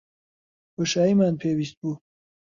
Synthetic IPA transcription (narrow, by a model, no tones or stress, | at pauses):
boʃaːiːmaːnpʰeːwiːst̪̚buː